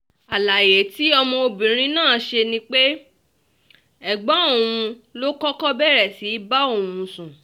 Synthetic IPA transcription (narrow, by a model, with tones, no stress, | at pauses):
a˨la˨je˨˦ti˨˦ɔ˧mɔ̃˧o˧bĩ˨ɾ̃ĩ˦nãː˦˨˦ʃe˧nĩ˧˦k͡pe˦ | ɛ˨ɡ͡bɔ̃˨˦o˦˨w̃ũ˧lo˦kɔ˦kɔ˦bɛ˦˨ɾɛ˨ti˨˦ba˦o˦˨wũ˧sũ˨